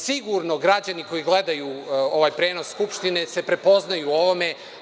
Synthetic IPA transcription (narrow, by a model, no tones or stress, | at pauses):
siɡuɾno̞ɡɾad͡ʑaniko̞jiɡle̞d̪ajuoʋajpɾeːno̞sːkupʃt̪ine̞se̞pɾe̞po̞znajuoʋo̞me̞